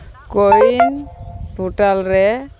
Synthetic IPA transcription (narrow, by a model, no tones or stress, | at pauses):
kowinbʱuʈalɾɛ